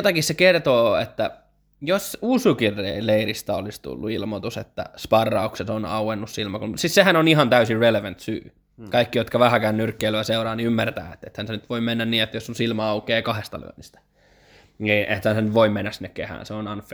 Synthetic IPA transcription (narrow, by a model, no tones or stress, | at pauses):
jot̪ɑkissekert̪oːḛt̪ːæ | josusukirːeileirist̪æolist̪ṵlːuilmot̪usḛt̪ːæ̰spɑrːɑukset̪onɑ̰uwenːussilmɑkunsissehænonihɑnt̪æysirreleʋænt̪sy̰ː | kɑikːijot̪kɑʋæhækæːnːyrkːeiløæseurɑːniymːært̪æ̰ːḛt̪ːet̪hænsenyt̪ʋoimenːænniːet̪ːæjosːonsilmɑɑukeːkɑhest̪ɑ̰ly̰ø̰nːist̪æ̥ | niʔet̪hænsenyʋʋoimmenːæsinːekehæ̰ːnseonɑnf